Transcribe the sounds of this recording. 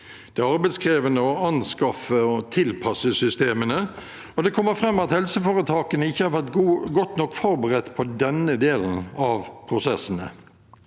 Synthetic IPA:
d̪̥ɛːɑɾbɛɪt̪skʰɾeːʋənəɔɑnskɑfəɔt̪ʰɪlpʰɑsəsʏst̪eːmənə | ɔd̪ɛkʰɔmːəɾfɾɛmːɑt̪hɛlsəfoːɾət̪ʰɑːkənəɪçːəhæɾfɑt̪ɡuːɡɔt̪ːnɔkːfɔɾbəɾɛt̪ːpʰɔd̪ɛnəd̪eːlən̩ɑʋpʰʁʊsɛsːənə̰

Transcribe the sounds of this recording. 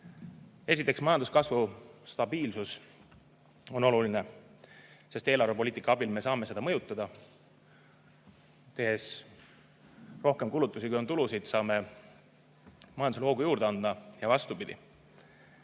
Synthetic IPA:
e̞s̬ʲit̪ːˑe̞ksmɑjɑnd̪uskɑsvust̪ɑbiːlsus | o̞no̞luline | se̞st̪e̞ːlɑɾrvep̬o̞liːt̪ikˑːɑɑbilme̞sɑːme̞se̞d̪ɑmɤjut̪ːˑɑd̪ɑ | t̪e̞ɦe̞s | ro̞hke̞mkulut̪ːˑusikujo̞nt̪ulusid̪̥sɑːme̞ | mɑjɑnd̪usevoɡujuːɾd̪eɑnd̪ɑjɑvɑst̪upid̪̥ḭ

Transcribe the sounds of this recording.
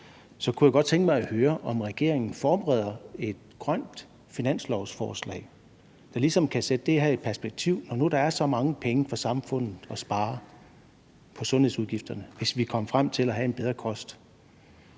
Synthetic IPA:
sɒ̽kʰujæɡ̥ɒ̽d̥̚t͡sʰeŋɡ̥əmɑ̈ɪæhøːɐʔɒ̽mʁɛɡ̥e̝ɐ̰e̝ŋn̩fɒːb̥eʁɛð̰ˠɐe̝d̥̚ɡ̥ʁɶn̰d̥ | finæn̰slɒʊsfɒːslɛ̰ɪ | d̥ɑ̈lisɒ̽mkʰæsed̥əd̥e̝æɦæe̝d̥̚pʰæɐsb̥eɡ̥̚t͡sʰiʊ̰nɒnuɾ̥ɑ̈æɐsɒ̽mɑ̈ŋəpʰeŋəfɒ̽sɑ̈mfɔ̽n̰ð̩ˠɒ̽sb̥ɑ̈ː | pʰɒ̽sɔ̽nhe̝ðˠsuð̞ˠɡifd̥ɐnəʋe̝sʋikʰɒ̽m̰əfʁam̰t͡sʰe̝læɦæe̝nb̥eð̞ˠʁɐkʰɒ̽sd̥

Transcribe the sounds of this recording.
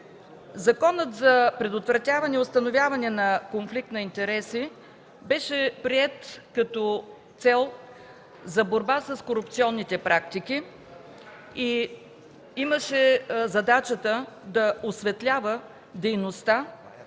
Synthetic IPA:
zɐkɔnət̪zɐpɾɛd̪ot̪vɾɐt̪ʲjavɐnɛiʊst̪ɐnovʲjavɐnɛnɐkonflik̚t̪nɐint̪ɛɾɛsi | bɛʃɛpɾiɛt̪kɐt̪ɔ | t̪sɛlˠ | zɐboɾbasəskoɾʊp̚t̪siɔnːit̪ɛpɾʔak̚t̪iki | i | iməʃɛzɐd̪at͡ʃət̪əd̪ɐosvɛt̪lʲavə | d̪ɛjnost̪a

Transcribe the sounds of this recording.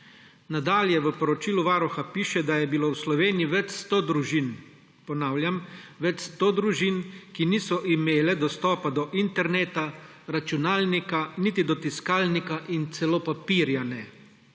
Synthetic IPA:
nad̪aːljɛʋəpɔɾɔt͡ʃiːluʋaːɾɔxapiːʃɛd̪ajɛbiloːwslɔʋeːnijiʋɛt͡ʃst̪oːd̪ɾuʒin | pɔnaːwljamʋɛt͡ʃst̪oːd̪ɾuʒinkiniːsɔʔimeːlɛd̪ɔst̪ɔːpad̪ɔʔint̪ɛɾneːt̪aɾat͡ʃunaːlnikanit̪id̪ɔt̪iskaːlnikaʔint̪sɛlopapiːɾjanɛ

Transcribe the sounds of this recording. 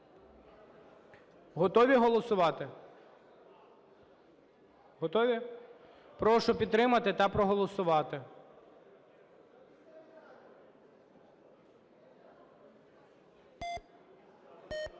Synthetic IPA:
ɦɔt̪ɔʋʲiɦɔlˠɔsʊʋɑt̪ɪ | ɦɔt̪ɔʋʲi | pɾɔʃʊpʲid̪t̪ːɾɪmɐt̪ɪt̪ɐpɾɔɦɔlˠɔsʊʋɑt̪ɪ

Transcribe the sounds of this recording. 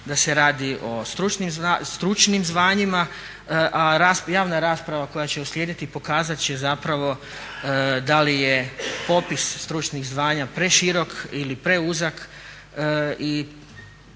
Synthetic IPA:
d̪ase̞ɾaːd̪iʔo̞st̪ɾut͡ʃnimzast̪ɾut͡ʃnimzʋaːɲima | ʔaɾasjaːʋnaɾaːspɾaʋako̞jat͡ɕe̞usljeːd̪it̪ipo̞kaːzat̪t͡ʃezapɾaʋo̞ | d̪alijepo̞pisːt̪ɾut͡ʃniɣzʋaːɲapɾe̞ʃiɾo̞kilipɾe̞uzak | i

